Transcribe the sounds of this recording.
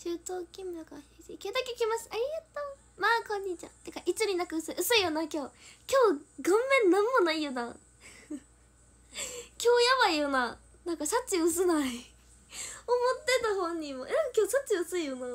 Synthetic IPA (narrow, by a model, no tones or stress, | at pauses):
ɕɨːt̪oːkʲĩmɯakahisikʲed̪akekʲimaɕi̥t̪aiɯt̪ːo | maːkõ̞ɲ̟ːit͡ɕã̰t̪ekaʔit͡sɨɾʲinakɯɯsɨʔɯsɨijonakʲo̞ːkʲo̞ːɡãmːẽ̞nnãmːo̞naijɯd̪ã | kʲo̞ːjaβaijɯna | nãŋkasat͡ɕːiɯs̬ɨnai | omot̪ːe̞t̪aɦõɲ̟ːimoʔekʲo̞ːsat͡ɕiɯsɨiɯna